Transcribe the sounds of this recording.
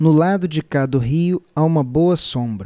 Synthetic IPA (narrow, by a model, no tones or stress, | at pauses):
nʊlad̪ʊd͡ʒɪkad̪ɐʊɦiʊaũmɐbowɐsõbɾɐ